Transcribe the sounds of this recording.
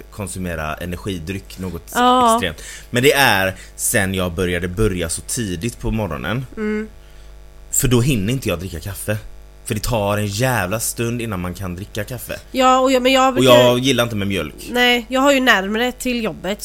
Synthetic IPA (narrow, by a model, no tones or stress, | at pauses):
kʰɔnsɵmeːɾa̰ɛ̰næɾɧiːd̪ɾʏkːnoːɡɔt̪ːɛsɾeːmt̪mɛnd̪ɛʔæɾ | sɛnjɑːɡ̚bœɾjad̪əbœɾjasɔt̪ʰiːd̪ɪt̪pʰɔmɔɾɔ̰nə̰nː | fœɖɔɦɪnːəɾɪnt̪əjɑːd̪ɾɪkːakʰafːə | fœɖɛt̪ʰɑːɾɛnjæːvlast̪ɵnd̪ɪnːanmankʰand̪ɾɪkːakʰafːə̰jɑːɔmɛnjɑɔjɑːjɪlːaɪnt̪əmɛmjœ̰lknɛɪjɑːɡhaɾjɵnæɾmɾət̪ʰɪljɔbːət̪